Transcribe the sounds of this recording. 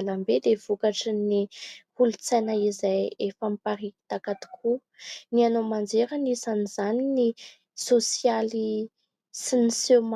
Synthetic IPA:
lambed̪ev̥ukaʈ͡ʂinihulut͡sajnaizajefampaɾii̥t̪akat̪i̥kʰu | nianomand͡zeɾənisanizanini | sosiali | sinisem

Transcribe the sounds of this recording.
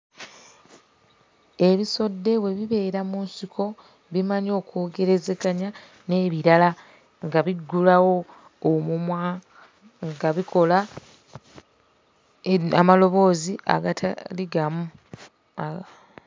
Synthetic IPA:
e̞βiso̞dːe̞we̞βiβe̞ːɾamunsikʰo̞ | βimaɲo̞ːko̞ːɡe̞ɾe̞ze̞kaɲa | ne̞βiɾala | ŋɡaβiɡulawo̞ː | mumwa | ŋɡaβikʰo̞la | amalo̞βo̞ːzia̰ɡatliɡamu

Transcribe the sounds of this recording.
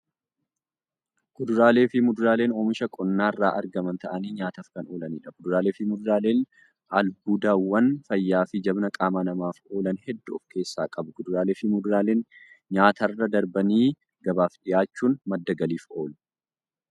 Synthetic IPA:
ɡ̥ʊd̪ʊɾaːle̞ːfɪmʊd̪ʊɾaːle̞ːnoːmɪʃɐkʼɔnːaːrːaːʔɐɾɡɐmɐnt̪ɐʔɐniːɲaːt̪ɐːfkɐnoːlɐniːᶑɐɡʊd̪ʊɾaːleːfɪmʊd̪ʊɾaːle̞ːn | ʔɐlbuːd̪aːwːɐnfɐjːaːfɪd͡ʒɐbnɐkʼaːmaːnɐmaːfo̞ːlɐnhɛd̪ːʊɔfke̞ːsːaːkʼɐbʊɡʊd̪ʊɾaːle̞ːfɪmʊd̪ʊɾaːle̞ːn | ɲaːt̪ɐrːɐd̪ɐɾbɐniː | ɡ̥ɐbaːfɗɪjaːt͡ʃːuːnmɐd̪ːɐɡɐliːfo̞ːl

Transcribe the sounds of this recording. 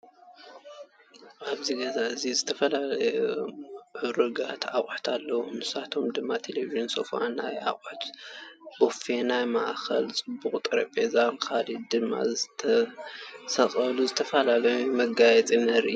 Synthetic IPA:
ʔaβziɡɐzaɨzizɨt̪ʰɐfɐlalɐjuʕʊɾɨɡat̪ʰa̰kʼħt̪ʰalːɐwomɨsat̪ʰo̞md̪ɨmːat̪ʰeleviʒinso̰fa̰na̰jʔa̰χʼħt̪bofenajma̰ʔxɐlt͡sʼɨbuχʼt̪ʼɨɾɐpʼezamkʰalid̪ɨmːa̰zɨt̪ʰɐ | sɐxʼɐluzɨt̪ʰɐfɐlalɐjumɐɡajɛt͡sʼinɐɾʔɨu

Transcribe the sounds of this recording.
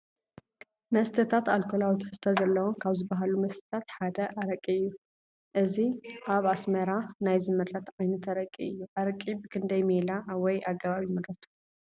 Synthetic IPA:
mɐst̪ʰɨt̪ʰat̪alkʰolawt̪ʰħɨst̪ʰɐzɐlːɐwokʰaβzɨbːaɦalumɐst̪ʰɨ̥t̪ʰat̪ħad̪ɐʔaɾɐkʼiɨjːu | ʔɨziʔaβasmɐɾanajzɨmɨɾɾɐt̪ʕajnɐt̪ʰɐɾɐkʼiɨjːuʔaɾɐkʼːibɨkʰɨnd̪ɐjmelawɔjʔaɡːɐβaβimɨɾɐt̪ʰu̥

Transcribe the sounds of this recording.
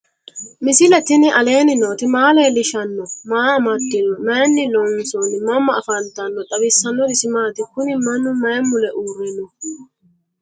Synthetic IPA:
mɪsɪlɛt̪ɪnɪʔɐle̞ːnɪnoːt̪ɪmaːleːlɪʃɐnːɔmaːmɐd̪ɪnɔmɐnːɪlɔnsɔnɪmɐmːɐːfɐnt̪ɐnːɔᶑʼɐβɪsːɐnːɔd̪ɪsɪmaːt̪ɪkʊnɪmɐnʊmɐjmːʊlɛʔuːrːɪnːɔ

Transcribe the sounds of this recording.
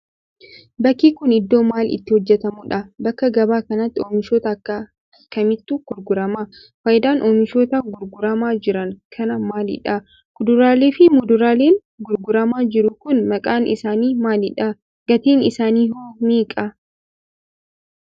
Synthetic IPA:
bɐkːiːkʊnɪd̪ːo̞ːmaːlɪ̰t̪ːɪhɔd͡ʒːɛt̪ɐmʊᶑɐbɐkːɐɡɐbaːkɐnɐt̪ːɪoːmɪʃoːt̪ɐkːɐ | ɐkːɐmɪt̪ːuɡ̥ʊɾɡʊɾɐmaː | fɐjɪd̪aːnʔoːmɪʃoːt̪ɐɡʊɾɡʊɾɐmaːd͡ʒɪɾɐŋkʰɐnɐmaːlɪ̰ᶑɐ | kʊd̪ʊɾaːleːfɪmʊd̪ʊɾaːle̞ːŋ | ɡʊɾɡʊɾɐmaːd͡ʒɪɾʊkʊnmɐkʼaːnʔɪ̰saːniːmaːlɪᶑɐ | ɡ̥ɐt̪iːnɪsaːniːɦoːmiːkʼɐ

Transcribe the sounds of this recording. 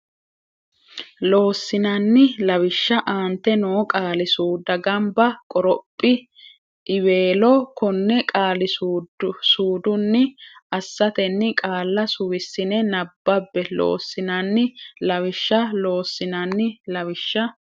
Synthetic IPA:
lo̞ːsːɪnɐnːɪlɐwɪʃːɐʔaːnt̪ːɛnoːkʼaːlɪsuːd̪ɐɡɐmbɐkʼɔɾɔpʼːɪ | ʔɪwe̞ːlɔkɔnːɛkʼaːlɪsuːsuːd̪ʊnːɪɐsːɐt̪ɛnːɪkʼaːlːɐsʊwɪsːɪnɛnɐbːɐbːɛlo̰ːsːɪnɐnːɪlɐwɪʃːɐlo̞ːsːɪnɐnːɪlɐwɪʃːɐ

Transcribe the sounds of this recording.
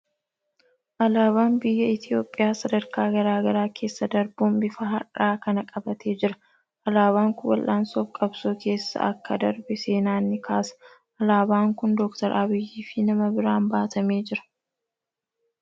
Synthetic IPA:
ʔɐlaːβaːnbɪjːɐɪt̪ɪo̞ːpʼːɪjaːsɐd̪ɐɾkaːɡɐɾaːɡɐɾaːkʰe̞ːsːɐd̪ɐɾbuːmbɪfɐɦɐ̰raːkɐnɐkʼɐbɐt̪ʰe̞ːd͡ʒɪɾɐ | ʔɐlaːβaːŋkʊwɐ̰lʔaːnsɔfkʼɐbsoːke̞ːsːɐ̰ʔɐkːɐd̪ɐɾbɛse̞ːnaːnːɪkʰaːsɐ̥ | ɐlaːbaːŋkʊnd̪ɔkt̪ɐɾʔɐbɪjːiːfɪnɐmɐbɪɾaːmbaːt̪ɐmeːd͡ʒɪɾɐ̥

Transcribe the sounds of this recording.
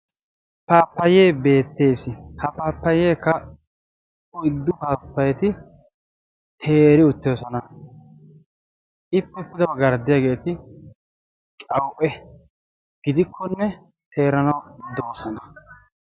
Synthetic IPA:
paːpːɐje̞ːbe̞ːt̪ːe̞ːsɪhɐpaːpːɐjeːkːɐ | ʊɪd̪ːʊpaːpːɐjɛt̪ɪ | t̪ʰe̞ːɾɪʊt̪ːɪjɔsɔnɐ | ʔɪpːɛpːɪd̪ɐbɐɡɐɾd̪ːɪjaːɡe̞ːt̪ɪ | kʼɐwʔɛ | ɡ̥ɪd̪ɪkʰːɔnːɛ | t̪ʰe̞ːɾɐnɐwd̪oːsɐnɐ

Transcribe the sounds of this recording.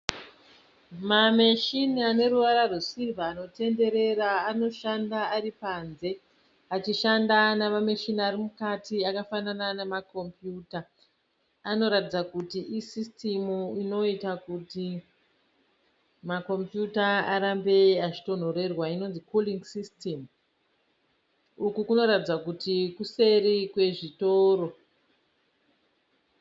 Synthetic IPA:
mameʃiniane̞ɾuʋaɾarusivaːno̞te̞nde̞ɾe̞raːno̞ʃandaːɾipanze̞ | at͡ʃiʃandanaʋameʃiniaɾimukatiakafanananemako̞mpjuːtaː | no̞ɾatid͡zakutiʔisistimuino̞itakuti | mako̞mpjutaaɾambe̞aʐito̞n̤o̞ɾe̞rwaino̞nzikuliŋsistem | ukukuno̞ɾatid͡zakutikuse̞ɾikwe̞ʐito̞ːro̞

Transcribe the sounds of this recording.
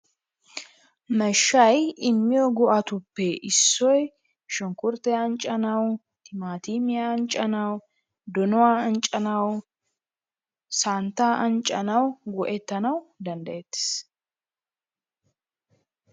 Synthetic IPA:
mɛʃːɐjɪmːɪjɔɡɔʔɐt̪ʊpːɛʔɪsːɔj | ʃʊŋkʊɾt̪ɛjaːnt͡ʃʼːɐnɐw | t̪ʰɪmaːt̪iːmɪjant͡ʃʼɐnɐw | d̪ɔnɔwaːɐnt͡ʃʼːɐnɐw | saːnt̪ːaːʔɐnt͡ʃʼːɐnɐwɡɔʔɛt̪ːɐnɐwd̪ɐnd̪ɐjɛt̪ːɪ̥s

